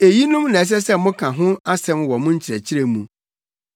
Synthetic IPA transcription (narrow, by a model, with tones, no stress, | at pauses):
e˨ji˦nʊ̃˦mnã˨ɛ˨s̬ɛ˦s̬ɛ˦mʊ̃˦kʰã˨ɦʊ̃˦a˦sɛ̃˦mwɔ˨mʊ̃˦ɲ̩˦t͡ɕʰɪ˨ɾɛ˨t͡ɕʰɪ˦ɾe˨mũ˨